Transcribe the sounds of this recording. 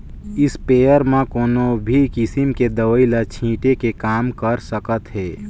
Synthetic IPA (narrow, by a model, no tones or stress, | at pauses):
ɪspeːjəɾmãkoːnobʱikɪsimked̪əʋəilat͡ʃʰĩːʈekekaːmkəɾsəkət̪ɦɛː